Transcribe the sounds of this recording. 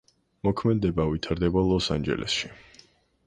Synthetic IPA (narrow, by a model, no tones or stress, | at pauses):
mɔkʰmɛd̪ːɛbavit̪ʰaɾd̪ɛbalˠɔsa̰nd͡ʒɛ̰lʔɛ̰sʃi